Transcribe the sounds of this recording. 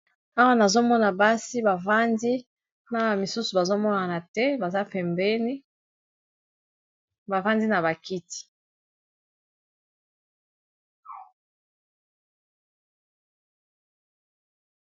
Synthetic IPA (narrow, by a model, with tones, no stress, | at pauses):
a˦wa˦na˨zo˦mɔ˦na˨ba˦si˦ba˨va˦ndi˦ | na˦˨mi˨su˦su˨ba˨zo˦mɔ˦na˨na˨tɛ˦ba˨za˦pɛ˨mbɛ˦ni˦ | ba˨va˦ndi˦na˨ba˨ki˦ti̥˨